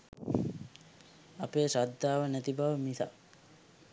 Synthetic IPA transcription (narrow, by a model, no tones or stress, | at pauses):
apeːsad̪ːaːʋənæt̪ibaʋəmisa̰